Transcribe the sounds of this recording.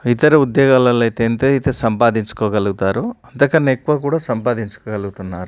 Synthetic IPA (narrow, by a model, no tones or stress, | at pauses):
it̪ɐɾuud̪jɔːɡaːlɐlɐjt̪eːnt̪ejt̪eːsɐmpaːd̪iɲt͡ʃu̥koːɡɐluɡut̪aːɾuɐnt̪ɐkɐnːɐekːuʋaːk̬uːɽaːsɐmpaːd̪iɲt͡ʃu̥koːɡɐluɡut̪unːaːɾu